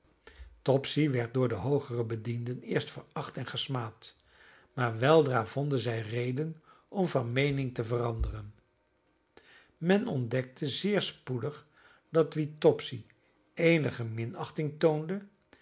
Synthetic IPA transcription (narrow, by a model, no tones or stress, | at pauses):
tɔpsiʋɛɹt̚dʊːɹdəɦowχərəbədindənɪːɹstfəɹɑχtɛnχəsmaːt | maːɹʋɛlˠdraːv̥ɔndənzɛjrejdən | ɔmvɑnmejnɪŋtəvərɑndərən | mɛnɔndɛk̚tʰəzɪːɹspudəχ | d̥ɑtʋitɔpsi | ejnəχəmɪnɑχtɪŋtowndə